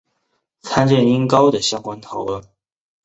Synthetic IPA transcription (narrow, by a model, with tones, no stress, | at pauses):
t͡sʰa˥nʈ͡ʂə˥˩ni˥ŋkɑ˥ʊd̪ə˨ɕjɑ˥ŋkwa˥nt̪ʰɑ˨˥ʊlwə˥˩n